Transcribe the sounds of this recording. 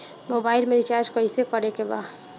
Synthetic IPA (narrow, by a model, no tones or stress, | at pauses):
mobailmeɾit͡ʃaɾd͡ʒkəisekəɾekeba̰